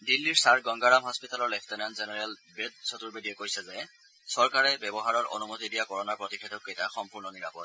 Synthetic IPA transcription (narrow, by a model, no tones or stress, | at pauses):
dilːiɹsaɹɡɔŋɡaɹamɦɔspitalɔɹlɛpʰtɛnanzenɛɹɛlbed̚sotuɹbedijɛkojsɛzɛ | sɔɹkaɹɛbɛbɔɦaɹɔɹo̰numotidijakɔɹɔnapɹotikʰetɔkːejtaxɔmpuɹnɔniɹa̰pɔ̰t̚